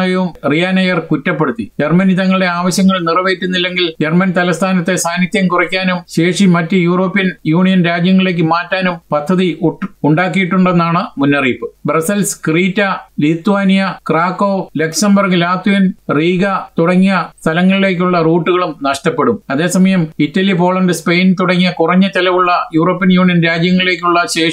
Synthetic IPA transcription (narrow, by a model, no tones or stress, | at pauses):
jɐʋumrijanɐjɐrkutːɐpːe̞ɽut̪ːid͡ʑermɐnit̪ɐŋːɐɭiɽe̞aːʋɐɕjɐŋːɐɭnirɐʋeːtːunːilːe̞ŋɡild͡ʑermɐnt̪ɐlɐst̪ʰaːnɐt̪ːe̞saːnit̪jɐmkurɐkʲːaːnumɕe̞ːʂimɐtːɨjuːro̞ːpːiɐnjuːɳijɐnɾaːd͡ʑjɐŋːɐɭile̞ːk̬ːɨmaːtːaːnumpɐd̪ʰʱːɐðiʔuʈːuɳɖaːkːijiʈːuɳɖe̞nːaːɳɨmunːɐriːpːɨbrɐsɐlskriːtːɐlit̪ːuʋaːnijɐkraːkːo̞ːle̞kʂɐmbɐrkɨlaːt̪wijɐnriːɣɐt̪uɽɐŋːijɐst̪ʰɐlɐŋːɐɭile̞ːk̬ʲːuɭːɐruːʈːuɣɐɭumnɐʂʈɐpːeɽumɐðe̞ːsɐmɐjɐmitːɐlipo̞ːɭɐndɨspe̞jnt̪uɽɐŋːijɐkurɐɲːɐt͡ɕɐlɐʋuɭːɐjuːro̞ːpːijɐnjuːɳijɐnɾaːd͡ʑjɐŋːɐɭile̞ːk̬ʲːuɭːɐɕe̞ː